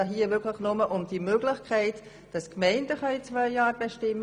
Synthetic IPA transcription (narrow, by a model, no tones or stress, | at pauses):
ɑɦiːəvɪkʰləχnʊməʔʊmd̥imøːɡlɪχkʰɛɪt | d̥ɑskmɛɪndəχɑit͡svœʏjɑːɾb̥ɛʃtɪm